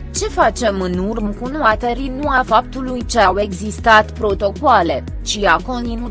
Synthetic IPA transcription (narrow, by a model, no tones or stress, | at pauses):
t͡ʃe̞fat͡ʃe̞mɨnurmkunoat̪eɾinuafap̚t̪ulujt͡ʃeawe̞ɡzist̪at̪pɾo̞t̪o̞koale̞ | t͡ʃiako̞nt̪inu